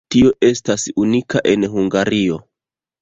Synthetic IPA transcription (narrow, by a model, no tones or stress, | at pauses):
tio̞ʔe̞stasunikaʔe̞nɦuŋɡaɾio̞